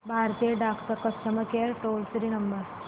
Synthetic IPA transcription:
bʱaɾt̪ieɖakʰt̪əɾkəst̪əməkeɾʈolsɾiːnəmbəɾ

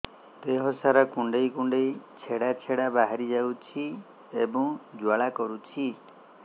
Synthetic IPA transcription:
t̪eɦɔsaɾakuɳɖejkuɳɖejt͡ʃʰeɽat͡ʃʰeɽabaɦaɾid͡ʒawt͡ʃʰi | ebɔ̃ŋd͡ʒwaɭakɔɾut͡ʃʰi

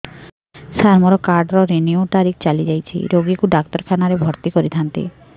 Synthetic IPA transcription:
saɾmɔɾɔkaɾɖɾɔɾeniot̪aɾik̚ʰt͡ʃalid͡ʒajt͡ʃʰḭɾoɡikuɖakt̪ɔɾkʰanaɾebʱɔɾt̪ikɔɾit̪ʰant̪ḭ

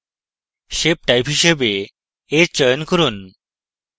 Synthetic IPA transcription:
ʃep̚ʈajpɦiʃebe | eɾt͡ɕɔjnkɔɾun

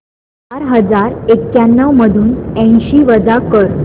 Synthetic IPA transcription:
t͡ɕaɾɦəd͡zaɾekːjanːəʋməd̪ʱuːnə̃ɕiːʋəd͡zakəɾ

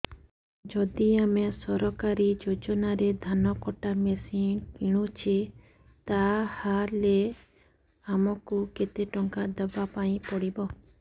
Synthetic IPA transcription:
d͡ʒɔd̪iamesɔɾɔkaɾid͡ʒod͡ʒɔnaɾed̪ʱanɔkɔʈamesinkiɽ̃ut͡ʃʰi | t̪ahaɾle | amɔkuket̪eʈɔŋkad̪ɔbapaĩpɔɽibɔ

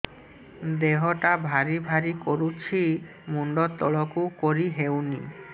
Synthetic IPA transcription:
d̪eɦoʈabʱaɾibʱaɾikoɾut͡ɕʰi | muɳɖot̪ːɔɭokukoɾiɦewnḭ

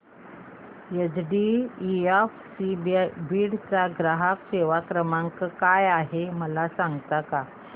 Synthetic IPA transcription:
jəd͡zɖiiafsibbiːɽt͡saɡɾaɦakɕeʋakɾəmaŋkəkajaɦeməlasãŋɡt̪aka

